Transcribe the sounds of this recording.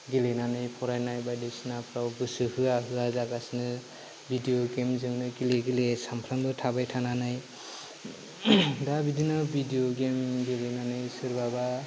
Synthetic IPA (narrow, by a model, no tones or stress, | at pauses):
ɡilenanɯjpʰɔɾajnajbajdesɯnapʰɾawɡɯsɯhɯaɦɯazaɡasnɯ | bidijoɡemzɯŋnɯɡileɡilesampʰɾandɯtʰabajtʰananaj | dabidinabʱidijoɡemɡelenanɯjsɯɾbaba